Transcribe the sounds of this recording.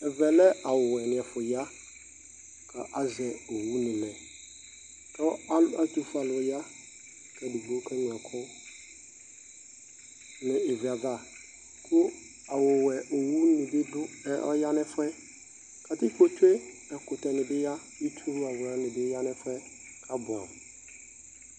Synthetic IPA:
ɛ˨vɛ˨lɛ˦ʔa˨wʊ˨wɛ˨nɪ̃˨ɛ˨fʊ˨ja˦ | kʰa˨ʔa˨zɛ˨o˨wu˦nɪ̃˨lɛ̃˨ | kʰɛ˦wɔ˦a˦la˦tu˨fa˨lja˦ | kʰa˨di˨ɡ͡bo˦kʰɛ˦ɲʊ̃˨ɛ˨kʰɔ˦ | nɪ̃˨ɪ˨vi˨a˨da˦˨ | kʰʊ˦ | a˨wʊ˨wɛ˨ʔo˨wu˦nɪ̃˨bɪ˦dʊ˦ɛ˦ʔɔ̰˦ja˦nɪ̃˦fʊ˦ɛ˦ | kʰa˨tɪ˦kʰo˨tʰwe˦ | ɛ˨kʰʊ˨tʰɛ˨nɪ̃˨bɪ˦ja˦ | i˦tʰu˦a˨wã˨nɪ̃˨bɪ˦ja˦nɪ̃˦fɛ˦ | kʰa˨bʊ˨ã̰˨

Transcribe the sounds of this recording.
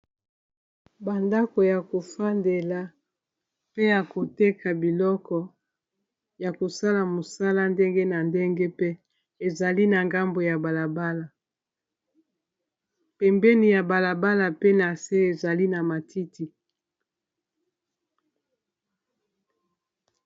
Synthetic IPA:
ba˨nda˦ko˨ja˨ko˨fa˦nde˨la˨ | pe˦ja˨ko˨te˦kʰa˨bi˨lɔ˦kɔ˨ | ja˨ko˨sa˦la˨mo˨sa˦la˦nde˦ŋɡe˦na˨nde˦ŋɡe˦pe˦ | e˨za˨li˦na˨ŋɡa˦mbo˨ja˨ba˨la˨ba˦la˨ | pɛ˨mbɛ˦ni˨ja˨ba˨la˨ba˦la˨pe˦na˨se˦e˨za˨li˦na˨ma˨ti˦ti˨

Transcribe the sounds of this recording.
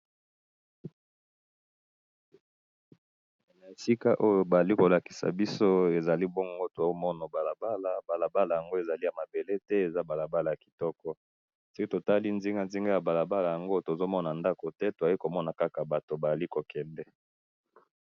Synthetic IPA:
nna˨e˨si˦ka˦ʔo˦jo˨ba˨za˨li˦ko˨la˨ki̥˨sa̰˨bi˦so˦e˨za˨li˦bɔ˦ŋɡo˦to˨˦mɔ˦no˨ba˨la˨ba˦la˨ba˨la˨ba˦la˨ja˨ŋɡo˦e˨za˨li˦ja˨ma˨be˨le˦tɛ˦e˨za˦ba˨la˨ba˦la˨ja˨ki̥˨tɔ˦kɔ˦ | so˦ki˦to˨ta˦li˦nzi˦ŋɡa˦nzi˦ŋɡa˦ja˨ba˨la˨ba˦la˨ja˨ŋɡo˦to˨zo˦mɔ˦na˨nda˦ko˨tɛ˦to˨a˨ji˦ko˨mɔ˦na˨ka˦ka˨ba˨to˨ba˨a˨li˦ko˨kɛ˨ndɛ˦

